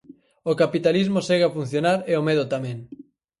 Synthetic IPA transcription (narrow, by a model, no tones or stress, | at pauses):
okapit̪alizmosɛɣafun̟θjonaɾeomeðot̪amẽŋ